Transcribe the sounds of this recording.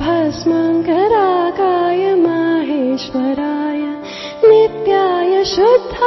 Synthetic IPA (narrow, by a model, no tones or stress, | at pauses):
bʱɐsmɐŋkɐɾaːkaːjɐmaːɦeːʃʋɐɾaːjɐ | nit̪jaːjɐʃud̪ʱːa